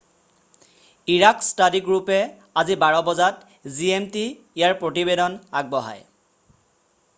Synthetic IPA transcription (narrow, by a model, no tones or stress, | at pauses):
iɹakstadiɡɹupɛ | azibaɹɔbɔzat | ziemtiː | jaɹpɹotibedɔnaɡ̚bɔɦa̰j